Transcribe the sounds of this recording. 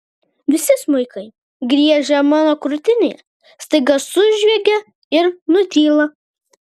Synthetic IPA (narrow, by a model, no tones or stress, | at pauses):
ʋʲɪsʲɪsmʊɪkɐɪ | ɡɾʲiɛʒʲɛmɑːnoːkɾʊt̪ʲɪnʲḛːj | st̪ɐɪɡɐsʊʒʲʋʲɛɡʲɛ | ɪɾnʊt̪ʲiːlˠɐ